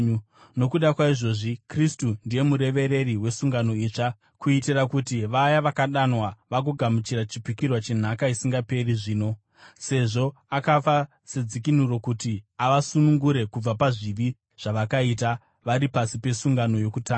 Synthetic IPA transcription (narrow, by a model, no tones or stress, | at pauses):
no̞kuɗakwaiʐo̞ʐikristundije̞muɾe̞ʋe̞ɾe̞riwe̞suŋɡano̞it͡ʂa | kuitirakutiʋajaʋakaɗanwaʋak̬uɡʱamut͡ʃiɾat͡ʃipikirwat͡ʃe̞n̤akaisiŋɡape̞riʐiːno̞ | se̞ʐo̞akafa | se̞d͡zikin̤uro̞kutiaʋasunuŋɡuɾe̞kub͡vapaʐiʋi | ʐ̥aʋakaita | ʋaɾipasipe̞suŋɡano̞jo̞kutaːŋa